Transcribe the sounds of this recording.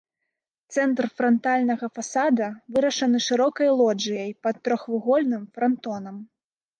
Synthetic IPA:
t̪sɛnt̪rfɾɐnt̪alʲnɐɣɐfasad̪ɐvɨɾɐʂɐnɨʂɨɾɔkɐjlˠɔd͡ʐɨjɐjpɐt̪ːɾɔxvɨɣɔlʲnɨmfɾɐnt̪ɔnɐm

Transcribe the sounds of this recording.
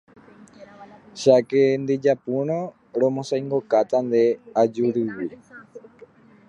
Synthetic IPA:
ʃakend̪ed͡ʒapuɾ̃õ | ɾõmõsajŋɡo̞kat̪and̪e̞ad͡ʒuɾɨwi

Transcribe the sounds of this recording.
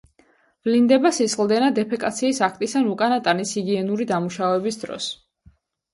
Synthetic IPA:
b̥lind̪ɛbasisχlˠd̪ɛnad̪ɛpʰɛkʼat̪sʰiːsakʰt̪ʼisanukʼanat̪ʼanisiɡiɛnuɾid̪amuʃavɛbisd̪ɾɔ̰s

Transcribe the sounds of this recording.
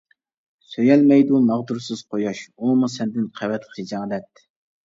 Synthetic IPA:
søjɛlmɛjd̪umɑʁd̪uɾsɨz̥qʰojɑʃumusɛnd̪ɪnqʰɛvɛt̪χʰid͡ʒɑːd̪ɛt̪̚

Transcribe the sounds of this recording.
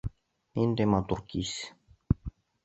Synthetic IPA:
ind̪emat̪urkis

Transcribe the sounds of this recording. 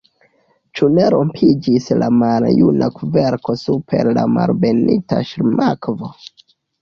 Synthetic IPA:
t͡ʃune̞ɾompʰid͡ʒislamaljunʔakveɾko̞supʰe̞̰ɾlamalbenita̰ʃɾmʔakvo̞

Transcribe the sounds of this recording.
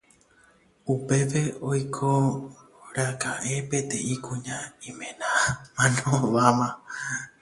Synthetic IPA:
upe̞ʋe̞ojkʰo | ɾakaʔe̞pẽ̞t̪e̞ikũɲãĩmẽ̞nãmãnõʋamã

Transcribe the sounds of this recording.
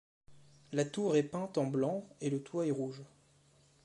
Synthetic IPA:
lat̪uʁɛpɛ̃t̪ɑ̃blɑ̃elət̪waɛʁuʒ

